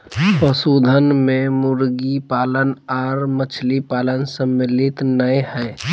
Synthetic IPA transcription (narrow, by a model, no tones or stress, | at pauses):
pəsuːd̪ʱənmẽmʊɾɡipaːlənaːɾmət͡ʃʰlipaːlənsəmːɪlɪt̪nəehɛː